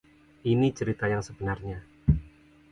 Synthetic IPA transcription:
ʔinit͡ʃəɾit̪ajaŋsəb̥ənarɲa

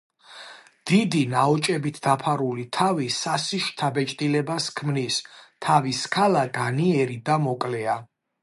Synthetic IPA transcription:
d̪̥id̪inaɔt͡ʃʼɛbit̪ʰd̪apʰaɾulit̪ʰavisasiʃt̪ʰabɛt͡ʃʼt̪ʼilɛbaskʰmnist̪ʰaviskʰalaɡaniɛɾid̪amɔkʼlɛa

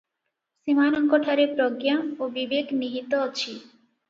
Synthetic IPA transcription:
simanɔŋkɔʈʰaɾepɾoɡjamobibekniɦit̪ot͡ɕʰi

